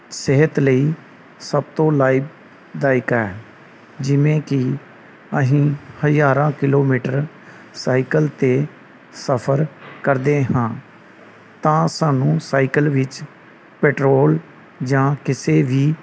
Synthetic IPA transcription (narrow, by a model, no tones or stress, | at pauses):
seɦət̪ləiː | səb̚t̪õːlaːiːb | d̪aːɪkɛː | d͡ʒɪʋẽːkɪ | əɦĩːhəd͡ʒaːɾãːkɪloːmiːʈəɾ | saːikəlt̪eː | səpʰəɾkəɾd̪eːɦãː | t̪ãːsaːnũːsaːikəlʋɪt͡ʃ | pɛːʈɾoːl | d͡ʒãːkɪseːʋiː